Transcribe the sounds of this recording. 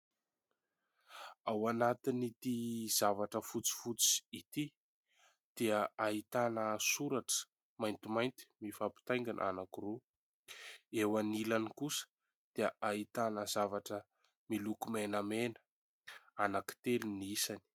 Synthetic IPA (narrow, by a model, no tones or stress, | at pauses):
awanat̪init̪iz̥avaʈ͡ʂəfut͡si̥fut͡si̥it̪i | d̪̥eəaɦit̪anəsuɾaʈ͡ʂə̥ | majnt̪imajnt̪i̥mifapi̥t̪ajŋɡanʔa̰nakiru | ewanilanikusə̥ | d̪̥eaʔait̪anəzavaʈ͡ʂə | milukumenamenə̥ | anaki̥t̪eliniisani̥